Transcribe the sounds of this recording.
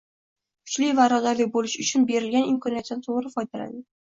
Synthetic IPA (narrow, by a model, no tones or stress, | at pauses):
kʰʊ̥t͡ʃlɪjvaɾɒzaɾlɪk̚ʲbolɪʃʊt͡ʃʰʊnbe̞ɾɪlɡʲanɪmkʰɒnijat̪ɪnɪt̪ʰoʁɾɪfɒjd̪ala̰d̪ɪ